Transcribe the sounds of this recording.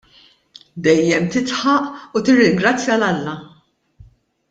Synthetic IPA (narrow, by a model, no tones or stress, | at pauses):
d̪ɛjːɛmt̪ɪt̪ħɐʔut̪ɪrːɪŋɡɾɐt͡sːjɐlɐlːɐ